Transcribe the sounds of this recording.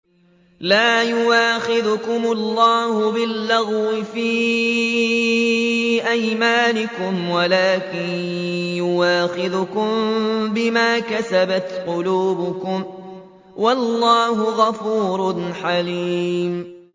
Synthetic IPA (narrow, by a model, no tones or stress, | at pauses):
laːjʊwaːxɪðʊkʊmʊlːɑːhʊbɪlːaɣwɪfiː | ʔajmaːnɪkʊmwalaːkɪnjʊwaːxɪðʊkʊmbɪmaːkasabat̪qʊluːbʊkʊm | walːɑːɦʊɣafuːɾˤʊnħaliːm